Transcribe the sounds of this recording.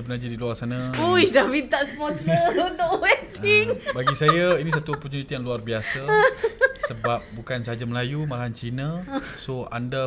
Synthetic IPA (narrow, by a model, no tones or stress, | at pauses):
pənad͡ʒidiluarsanə̃puiʃdahmint̪aʔsəpɔnsəunt̪ʊʔwɛtɪŋbaɡisajainĩs̬at̪upəɲuit̪ijaŋluarbiasa | səbap̚bukansəɦad͡ʒaməlajumalaɦant͡ʃinə̃soanda